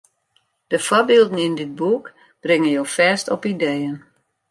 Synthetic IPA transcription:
d̥əfwɔbiːlˠdən̩indɪt̚buk | b̥rɪŋənjoːfɛːstɔpidejən

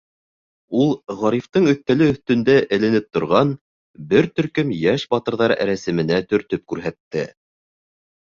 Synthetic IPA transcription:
ulˠʁɑɾift̪ɤɴɵ̆θt̪ːælɘɵ̆θt̪ɵ̆nd̪æʔɘ̆lɘ̆nɘp̚t̪ŏɾʁɑn | bɘɾt̪ɵ̆ɾkɵmjæʃbɑt̪ɤ̆ɾðɑɾ̰ɾæsɘ̆mɘ̆næt̪ɵ̆ɾt̪ɵp̚kʉɾɦæt̪ːɘ

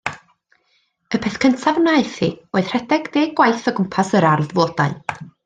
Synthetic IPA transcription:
əpʰɛθkʰəntʰavnaɨθḭoːɨð̥r̥ɛdɛɡdeːɡwajθəɡʊmpʰasəɾarðvoːdaɨ

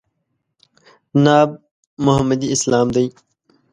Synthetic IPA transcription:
naːb̚ | mʊɦɐmːəd̪iɪslaːmd̪ɐj

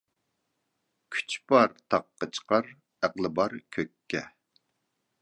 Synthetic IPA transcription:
kʲʰy̥t͡ʃbɑɾt̪ʰɑqːɑt͡ʃʰə̥qɑɾ | æqlˠɨbɑɾkʲʰøkʲʰːɛ

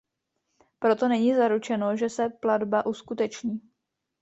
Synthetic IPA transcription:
pɾo̞t̪o̞nɛɲiːzaɾut͡ʃɛno̞ʒɛsɛpladbaʔuskut̪ɛt͡ʃɲiː

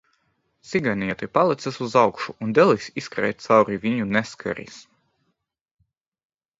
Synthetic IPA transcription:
t̪sʲiɡaniɛt̪ipalˠit̪sasuzawkʃuund̪ɛlˠisʲiskɾɛ̰jt̪̚t̪sawɾivʲiɲunɛskʰa̰ɾḭs

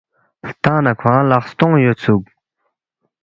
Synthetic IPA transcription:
ht̪anakʰaŋalaχht̪oŋjolt͡sʰuk̚

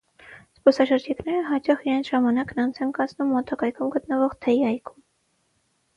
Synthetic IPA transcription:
spɔsɑʃəɾd͡ʒiknɛɾəɦɑt͡ʃɑχiɑjnʒɑmɑnɑknɑnt͡sʰɛnkɑt͡snumːɔt̪ʰɑkɑjkʰumɡət̪nəvɔʁt̪ʰɛjiɑjkʰum

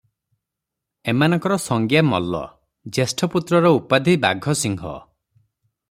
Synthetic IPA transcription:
emanɔŋkɔɾɔsɔŋɡjamɔ̰lːɔ̰ | d͡ʒesʈʰɔput̪ɾɔɾɔupad̪ʱibaɡʱɔsiŋɡʱɔ̰

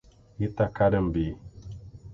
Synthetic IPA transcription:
jitakadəmbi

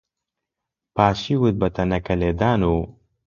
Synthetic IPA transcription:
paːʃiːwɨt̪̚bɐt̪ʰɐnɐkɐleːd̪aːnuː

